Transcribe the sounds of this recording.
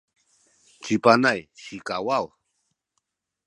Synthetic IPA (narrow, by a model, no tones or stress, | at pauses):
t͡ʃipanajʃikawaw